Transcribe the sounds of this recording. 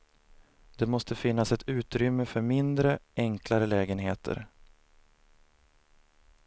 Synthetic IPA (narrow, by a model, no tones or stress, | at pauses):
d̪̥ɛmɔst̪ʰəfɪn̪ːasɛt̪ʉ̟ːt̪ɾʏmːəfœɾmɪnd̪ɾəʔɛŋklaɾəlɛːɡənɦeːt̪ʰə̰ɾ